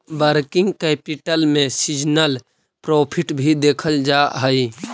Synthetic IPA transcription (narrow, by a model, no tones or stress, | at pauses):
bəɾkɪ̃ŋɡkɛːpɪʈəlmẽsid͡ʒnəl | pɾoːpʰɪʈbʱid̪eːkʰəld͡ʒaɦəi